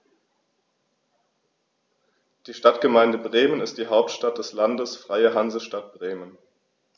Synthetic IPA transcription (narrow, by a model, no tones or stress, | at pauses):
d̥iːʃtatɡ̥əmaɪndəbʁeːmənɪstd̥iːɦaʊptʃtat̚d̥ɛslandəsfʁ̥aɪəɦanzəʃtat̚b̥ʁeːmən